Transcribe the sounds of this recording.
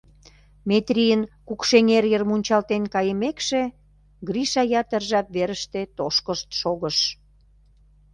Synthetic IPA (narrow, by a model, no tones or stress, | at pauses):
met̪ɾʲijənkukʃeŋerjərmunʲt͡ɕɑlt̪enkɑjəmekʃe | ɡɾiʃɑjɑt̪ərʒɑp̚βeɾəʃt̪et̪oʃkəʃt̪ʃoɣəʃ